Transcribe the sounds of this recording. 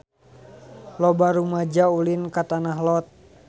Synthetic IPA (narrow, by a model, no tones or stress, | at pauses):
lɔbaɾumad͡ʒaulinkat̪anaɦlɔt̪̚